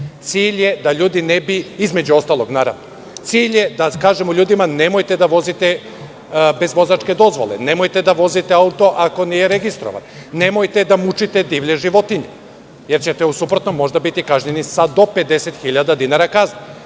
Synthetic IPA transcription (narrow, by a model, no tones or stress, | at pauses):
t̪siːʎje̞d̪aʎuːd̪inebiizme̞d͡ʑuo̞st̪alˠo̞ɡnaːɾa̰ʋno | t̪siːʎje̞d̪akaːʒemuʎʲuːd̪imane̞mo̞jt̪e̞d̪aʋo̞zit̪e | be̞zʋo̞zat͡ʃke̞d̪o̞zʋo̰lˠḛne̞mo̞jt̪ed̪aʋo̞zit̪eaut̪o̞ʔako̞nije̞ɾeɡist̪ɾo̰ʋa̰nː | e̞mojt̪e̞d̪amut͡ʃit̪ed̪iːʋʎe̞ʒiʋo̞t̪iɲe | je̞ɾt͡ɕet̪eusupɾo̞t̪no̞mːo̞ʒd̪abit̪ikaʒɲenisad̪o̞pe̞d̪e̞set̪xiʎad̪ad̪inaɾakazne